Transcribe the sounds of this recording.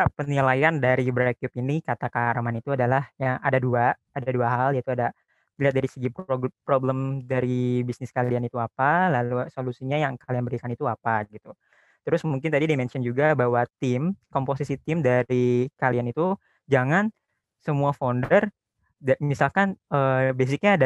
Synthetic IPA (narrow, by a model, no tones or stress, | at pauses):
apənilajandaɾibɾaakiupinikat̪akaɾmanit̪uadalahjaŋa̰daduaː | daduaɦaljait̪uada | liɦat̪̚daɾisəɡippɾobləmdaɾibisnɪskalianit̪uapalalusolusiɲajaŋkalianbəɾikanit̪uapaɡit̪u | t̪əɾʊsmuŋk̬ɪnt̪adidimɛnsiɔnd͡ʒuɡabawat̪ɪmkomposisit̪ɪmdaɾikalianit̪u | d͡ʒaŋan | səmuafondər | dmisalkanəbes̬ɪk̚ɲaːda